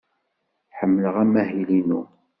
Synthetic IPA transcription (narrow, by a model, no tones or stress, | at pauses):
ħəmːləʁæmæhilinu